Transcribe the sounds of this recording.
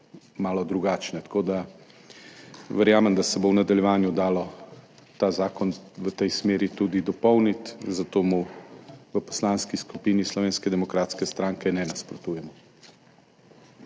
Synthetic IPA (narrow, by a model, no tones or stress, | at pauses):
maːlɔd̪ɾuɡaːt͡ʃnɛt̪ḁkoːd̪a | ʋəɾjaːmɛmd̪asɛbownad̪aljɛʋaːnjud̪aːlɔ | t̪aːzaːkɔnʋət̪ɛjsmeːɾit̪ud̪id̪ɔpɔwnit̪zat̪oːmu | ʋəpɔ̥slanskiskupiːnislɔʋeːnskɛd̪ɛmɔkɾaːt̪skɛst̪ɾaŋkɛnɛnaspɾɔt̪uːjɛmɔ